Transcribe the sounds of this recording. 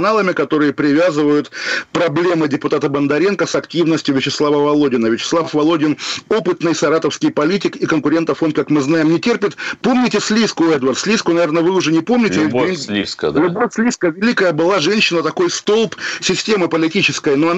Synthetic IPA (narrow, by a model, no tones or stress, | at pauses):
nalˠəmʲɪkɐt̪o̞ɾɨjəpɾʲɪvʲazɨvəjʊt̪pɾɐblʲe̞mɨdʲɪpʊt̪at̪əbənd̪ɐɾʲe̞nkəsɐktʲivnəsʲtʲjʊvʲɪt͡ɕɪslˠavəvɐlˠo̞dʲɪnəvʲɪt͡ɕɪ̥slˠafvɐlˠo̞dʲɪno̞pɨt̪nɨjsɐɾat̪əfskʲɪjpɐlʲitʲɪkikənkʊɾʲe̞nt̪əfonkakmɨznajɪmnʲɪtʲerpʲɪt̪po̞mnʲɪtʲɪsʲlʲiskʊɛd̪vərt̪sʲlʲiskʊnɐvʲernəvɨʊʐɛnʲɪpo̞mnʲɪtʲɪslʲiskəd̪lʲʊbosʲlʲiskəvʲɪlʲikəjəbɨlˠaʐɛnʲɕːɪnət̪ɐko̞jst̪o̞lˠpsʲɪsʲtʲeməpəlʲɪtʲit͡ɕɪskəjnoɐn